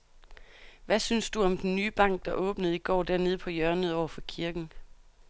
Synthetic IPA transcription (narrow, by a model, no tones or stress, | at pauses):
ʋæsynsd̥uɒ̽md̥enːyːb̥ɑ̈ŋ̰ɡ̥̚d̥ɑ̈ʔɔ̽ːb̥nəð̞̩ˠiɡ̥ɒ̰ːd̥æɐne̝ð̞ˠəpʰɒ̽jɶɐnəðˠɒʊ̰ɐfɒ̽kʰiɐɡ̥n̩